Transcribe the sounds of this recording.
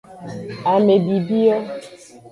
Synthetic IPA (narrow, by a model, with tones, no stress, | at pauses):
a˨me˨bi˨bi˦ɔ˦